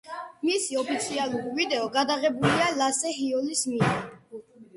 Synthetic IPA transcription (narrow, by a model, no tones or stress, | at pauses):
misiɔpʰit̪sʰialˠuɾivid̪ɛɔɡad̪aʁɛbulialasɛɦiɔlismia